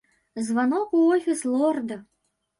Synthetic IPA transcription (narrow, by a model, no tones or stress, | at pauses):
zvanɔkuɔfʲislˠɔrd̪ɐ